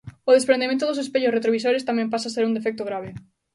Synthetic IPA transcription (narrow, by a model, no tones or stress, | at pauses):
ʊðespɾend̪emẽnt̪ʊðʊsespeʎʊsret̪ɾoβisoɾest̪amɛ̃mpasaseɾund̪efɛk̚t̪ʊɣɾaβ̞e